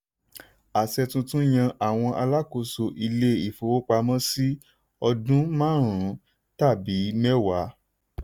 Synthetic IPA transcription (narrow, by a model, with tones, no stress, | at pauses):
a˨sɛ˧tũ˧tũ˦j̃ã˧ʔa˨w̃ɔ̃˧ʔa˧la˦ko˧˨so˧ʔi˧le˦i˨fo˨wo˦k͡pa˧mã˦si˦ | ɔ˧dũ˦mãː˦˨ɾũ˨˦ | ta˦˨bi˨˦mɛ˦wa˨˦